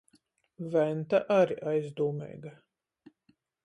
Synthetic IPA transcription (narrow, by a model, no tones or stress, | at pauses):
vænt̪aʔaɾiʔajzd̪uːmɛ̰ːjɡa